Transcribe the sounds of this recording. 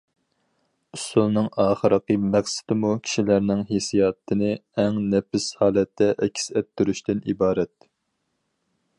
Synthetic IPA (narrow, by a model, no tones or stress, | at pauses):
usulˠnɨŋɑːχəɾəqəmæχsɪ̥d̪ɪmukʲʰi̥ʃilæɾnɪŋɦesijɑt̪ʰːɨnɨɛŋnɛpɪshɑːlˠɛt̪ʰːɛʔɛkʲʰi̥sɛp̚t̪ːyɾyʃt̪ɪnibɑːɾɛt̪